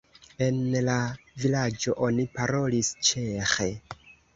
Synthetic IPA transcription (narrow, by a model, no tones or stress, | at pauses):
e̞nlavilad͡ʒo̞ʔo̞nipaɾo̞list͡ʃe̞xe̞